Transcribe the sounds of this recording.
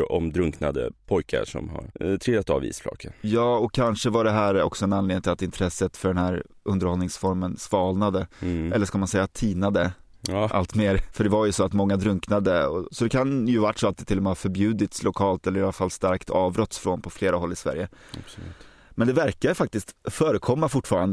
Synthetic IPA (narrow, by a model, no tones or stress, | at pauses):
ɔ̰md̪ɾɵŋknad̪ə̰pʰɔjkʰa̰ʂɔ̰mha̰ɾt̪ʰɾɪlat̪a̰vḭːsflɑ̰ːkʰːəjɑːɔkʰːanʂəvaɖɛɦæːɾɔ̰ksɔɛnanleːnɪt̪ɪlat̪ɪnt̪ʰɾɛsːət̪fœɖɛnhæːɾʔɵnd̪əɾhɔlnɪŋsfɔɾmənsvɑːlnad̪əɛlːəʂkalmansɛjːat̪ʰiːnad̪ə | ʔa̰lt̪meːɾfœɖɛvaɾjɵsɔat̪mɔŋːad̪ɾɵŋknad̪əɔ̰sɔd̪ɛkʰanjɵvaʈːsɔat̪̚ɛt̪ʰːɪlːɔmɛafœɾbjʉ̟ːd̪ɪt̪slʔʊkʰɑːlt̪ɛlːɾɪalːafalːst̪aɾkt̪ʰɑːvbɾɔt̪ːsfɾoːnpʰɔfleːɾaɦɔlːɪsvæ̰ɾjə | a̰b̥sʉ̰t̪ | mɛnd̪ɛvæɾkad̪əfak̚t̪ɪst̪fœːɾəkʰɔmːafʊʈːfɑːɾand̪ə